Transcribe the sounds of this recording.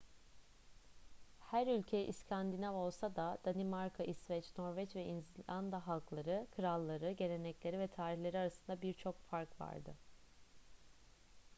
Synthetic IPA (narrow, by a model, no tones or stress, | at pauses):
hæɾylʲcʰejʔiscʰand̪inavao̞lˠsad̪ad̪̥animaɾkʰaʔisvɛt͡ʃno̞ɾvɛt͡ʃvɛʔinzlʲand̪aɦalˠklˠaɾɯkʰɯɾalˠːaɾɯɟe̞ɾe̞nɛclʲe̞ɾivɛt̪ʰaːɾiçlʲe̞ɾiaɾasɯnd̪abiɾt͡ʃʰo̞kfaɾkva̰ɾd̪ɯ̰